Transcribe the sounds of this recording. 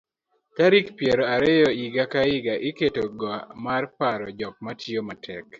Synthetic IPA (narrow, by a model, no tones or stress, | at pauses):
taɾikpjeɾoaɾeɪjɔiɡakaɪɡaʔɪketoɡɔmarpaɾɔd͡ʒɔk̚matʰjomatʰɛk